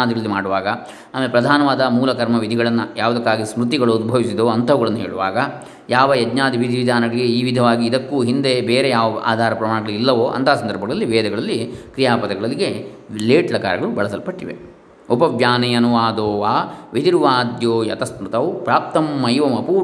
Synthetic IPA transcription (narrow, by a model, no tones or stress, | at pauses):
aːd̪iɡɐɭɐlːimaːɽuʋaːɡɐ | aːmɐlepɾɐd̪ʱaːnɐʋaːd̪ɐmuːlɐkɐɾmɐʋid̪ʱiɡɐɭɐnːɐjaːʋuɐd̪ɐkːaːɡismɾut̪iɡɐɭuunbʱɐʋisid̪oːɐnt̪ʰɐʋɐɡɐɭɐnːɐɦeːɭuʋaːɡɐ | jaːʋɐjɐd̪ɲaːd̪iʋid̪ʱiʋid̪ʱaːnɐɡɐɭiɡe̞iːʋid̪ʱɐʋaːɡiːd̪ɐkːuːɦind̪e̞beːɾejaːʋɐa̰ːd̪ʱaːɾɐpɾɐmaːɳɐɡɐɭuilːɐʋoːʔɐ̰nt̪ʰaːsɐnd̪ɐɾbʱɐɡɐɭɐlːiʋɛːd̪ɐɡɐɭɐlːikɾijaːpɐt̪ɐɡɐɭɐlːiɡe̞ | leːʈlɐka̰ːɾɐɡɐɭubɐɭɐsɐlpɐʈːiʋḛ | opɐʋjaːnɐjɐnuʋaːd̪oːaːʋid̪iɾʋaːd̪joːjɐt̪ɐsmɾut̪ɐʋpɾaːp̚t̪ɐmːɐjʋɐmɐpu